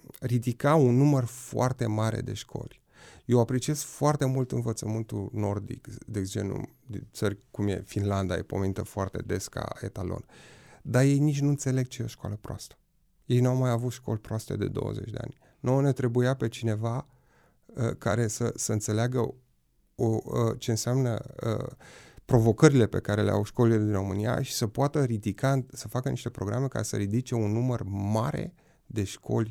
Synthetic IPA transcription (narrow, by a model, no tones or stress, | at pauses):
rid̪ikaunːumərfoart̪e̞maɾe̞̰d̪e̞̰ʃkʰo̞̰lʲ | jewapɾe̞t͡ʃie̞skfoart̪e̞mult̪ɨnvət̪səmɨnt̪uno̞rd̪ḭkd̪esd͡ʒenṵ | d̪int̪sərʲkumje̞̰finland̪aje̞̰po̞menit̪əfoart̪e̞̰d̪e̞ska̰e̞̰t̪alo̞̰nd̪aje̞jnit͡ʃʲnuɨnt̪se̞le̞ɡ̚t͡ʃejeoʃkoa̰ləpɾoa̰st̪ə̥ | je̞jnuawmajavut̪ʃko̞̰lʲpɾoast̪e̞̰d̪e̞̰d̪o̞̰wə̰ze̞̰t͡ʃʲd̪ea̰nʲ | nonet̪ɾe̞bujape̞t͡ʃine̞va | ə̰kaɾe̞sə̰səɨnt̪se̞leaɡə̰ | oət͡ʃe̞ɨnseamnə̰ə̰pɾo̞vo̞kəɾile̞pe̞̰kaɾe̞lḛa̰wʃko̞liled̪inro̞mɨnija̰ʃi̥səpoat̪əɾid̪ikasəfakəniʃt̪e̞pɾo̞ɡɾame̞ka̰ɾe̞sə̰ɾid̪it͡ʃe̞unːumərmaɾḛ | d̪e̞ʃkʰo̞̰lʲ